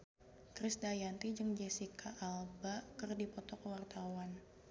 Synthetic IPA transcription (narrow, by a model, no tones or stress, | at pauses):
kɾɪsdajant̪id͡ʒɨŋd͡ʒɛsikʰaʔːlbakɨrdipɔt̪ɔkəwart̪awan